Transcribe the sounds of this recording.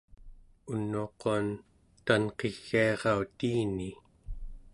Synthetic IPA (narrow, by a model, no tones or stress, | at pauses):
unːuːqoan | t̪anqeɣːiɑʁɑut̪iːni